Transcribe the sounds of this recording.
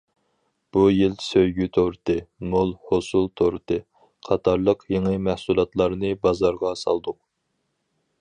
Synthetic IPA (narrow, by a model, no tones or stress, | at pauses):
b̥ujɪlsøjɡʲyt̪ʰoɾɨt̪ʰɨmolˠhosulˠt̪ʰoɾɨt̪ɨ | qʰɑt̪ʰɑɾlˠəqjeŋɨmæhsulˠɑt̪lˠɑɾnɨbɑzɑɾʁɑsɑ̰lˠd̪ʊq̚